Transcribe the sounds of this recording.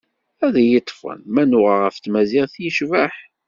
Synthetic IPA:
æðæjət̪ˤːfə̰nmænʊʁaʁəft̪mæziʁθjəʃvæħ

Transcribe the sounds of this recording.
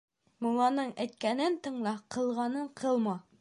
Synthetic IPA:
mulˠɑnɤɴæjt̪̚kʲænɘnt̪ɤ̆ɴlˠɑqʰɤ̆lˠʁɑnɤɴqʰɤlˠmɑ

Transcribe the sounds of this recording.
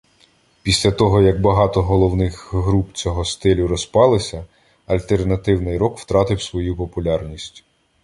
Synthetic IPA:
pʲisʲlʲɐt̪ɔɦɔjɐɡ̚bɐɦɑt̪ɔɦɔlˠɔwnɪxɦɾupt͡sʲɔɦɔst̪ɪlʲʊɾɔspɑlˠɪsʲɐ | ɐlʲt̪e̞rnɐt̪ɪwnɪjɾɔkw̥t̪ɾɑt̪ɪwsʋɔjupɔpʊlʲɑrnʲisʲtʲ

